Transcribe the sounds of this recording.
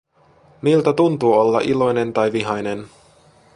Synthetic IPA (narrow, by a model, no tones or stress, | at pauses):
milt̪æt̪unt̪uːo̞lːɑ̰ʔilo̞jne̞nt̪ɑjʋiɦɑjne̞n